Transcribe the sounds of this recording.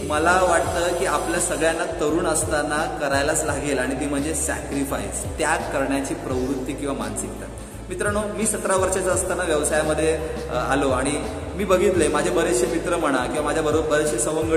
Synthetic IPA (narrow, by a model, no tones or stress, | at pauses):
məlaʋaʈ̚t̪əːkiːapljasəɡɭjanːat̪əɾuːnəst̪anakəɾajlat͡slaɡelaɽ̃it̪im̤əɳd͡zesæ̰kɾifa̰j̰st̪jakːəɾɳjat͡ɕiːpɾəʋɾut̪ːiːkĩw̃ʋama̰nsik̚t̪a̰t̪ | mit̪ɾəɳomiːsət̪ɾaʋəɾʂat͡saəst̪anaʋjəʋsajaməd̪ʱːje | a̰loaɽ̃i | miːbəɡʱiːt̪lemad͡ʑʱabəɾeɕjəmit̪ɾəm̤əɽ̃akĩw̃ʋamad͡ʑʱjabəɾobbəɾeɕisəʋəŋɡə